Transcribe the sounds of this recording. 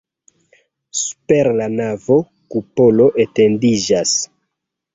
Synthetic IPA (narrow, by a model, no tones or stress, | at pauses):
su̥peɾlanavo̞ | kupo̞lo̞ʔete̞ndid͡ʒas